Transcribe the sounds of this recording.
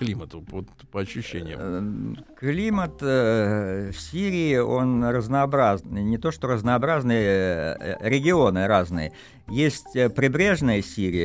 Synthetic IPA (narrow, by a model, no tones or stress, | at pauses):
klʲimət̪ʊot̪ | pəɐɕːʉɕːenʲɪ̰j̰ | klʲimət̪ | fsʲiɾʲɪːo̞nrəznəɐbɾaznʲɪt̪o̞ʂt̪o̞ɾəznɐɐbɾaznɨjə | ɾʲɪɡʲɪo̞nɨɾaznɨjə | jesʲtʲpɾʲɪbɾʲe̞ʐnɨjəsʲiɾʲɪjə